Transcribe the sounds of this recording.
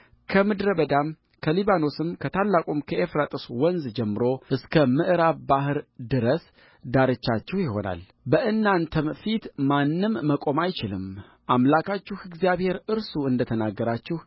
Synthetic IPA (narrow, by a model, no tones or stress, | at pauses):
kʰəmɨd̪ɾəbəd̪am | kʰəliβano̞sɨmkʰət̪ʰalːakʼumkʰəʔefɾat̪ʼɨswɔnzd͡ʒɛmːɨɾo̞ɨskʰəmɨʔɾaβbahɨɾd̪ɨɾəs | d̪aɾɨt͡ʃːat͡ʃːɛhjɪho̞̰na̰l | bəʔɨnːant̪ʰəmfit̪manːɨmːəkʼo̞majt͡ʃɪlɨ̰m | ʔamlakʰat͡ʃːuhɨɡzijaβhe̞ɾɨɾsuɨnd̪ət̪ʰənaɡːəɾat͡ʃːɪh